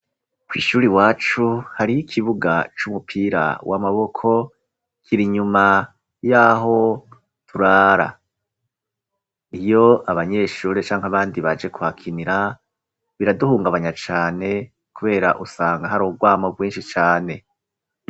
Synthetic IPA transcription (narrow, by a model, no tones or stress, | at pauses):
kwḭːʃuːɾiwaːt͡ʃuhaɾijikʰiβuɡa̰t͡ʃumupʰiːɾa̰wʔamaβo̞kʰo̞ | kʰiɾiɲuma | jaːɦo̞ | tʰuɾaːɾa̰ | ijo̞aβaɲe̞ːʃuːɾet͡ʃaːŋhaβaːndiβad͡ʒe̞kuhakʰiniɾa | βiɾaduhuːŋɡaβaɲat͡ʃaːne̞ | kuβe̞ːɾa̰ʔusaːŋɡaɦaɾoɡwaːmaɡwiːnʃit͡ʃaːne̞